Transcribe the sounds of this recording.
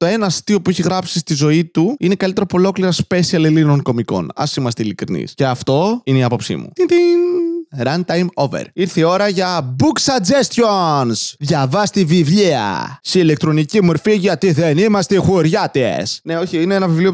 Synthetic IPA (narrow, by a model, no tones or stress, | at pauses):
t̪o̞e̞nɐsi̥t̪io̞pueçiɣɾɐpsist̪izo̞it̪uine̞kɐlit̪eɾopolo̞kliɾɐspe̞siɐlelino̞ŋko̞miko̞̰nɐ̰simɐst̪eilikɾḭnḭsce̞ɐft̪o̞ineiɐpo̞psḭmṵt̪it̪inɾɐnt̪ɐjmo̞vḛɾiɾθio̞ɾɐʝɐbuksɐd͡zest̪çonsðʝɐvɐst̪ivivʎiɐ̰siːlek̚t̪ɾo̞nicimoɾfiʝɐt̪iðenimɐst̪exuɾʝɐt̪esneo̞çiineenɐvivlio